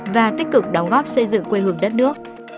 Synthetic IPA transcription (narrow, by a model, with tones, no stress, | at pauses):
vaː˨˩t̪i˦˥k̟̚kɨ˨˩k̚ɗɔ˨˦wŋ͡mɣɔ˦˥p̚sə˧jzɨ̰˧˨ŋkwe˧ɦɨ˨˩əŋɗə˦˥t̚nɨ˦˥ək̚